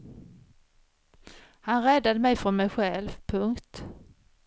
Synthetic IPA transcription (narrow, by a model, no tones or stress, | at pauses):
hanɾɛd̪ːad̪əmɛjfɔnmɛjɧɛlvpʰɵŋkt̪